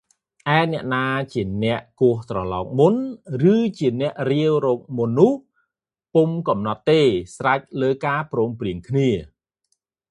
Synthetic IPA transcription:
ʔaɛnɛ̆əʔnaːt͡ɕiənɛ̆əʔkʊəht̪rɑlɑːk̚munrɨːt͡ɕiənɛ̆əʔriəwrɔːk̚munːʊ̆əh | pumkɑmnɑt̪ːeːsrac̚ləːkaːprɔːmpriəŋkʰniə

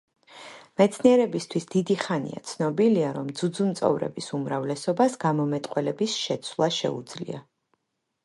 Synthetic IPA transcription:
mɛt̪sʰniɛɾɛbist̪ʰwisd̪id̪iχanḭa̰t̪sʰnɔbiliaɾɔmd̪zud̪zumt̪sʼɔ̰vɾɛ̰bisumɾavlɛsɔbasɡamɔmɛt̪ʼqʼwɛlɛbisʃɛt̪sʰwlˠaʃɛ̰ṵd̪z̥lḭa̰

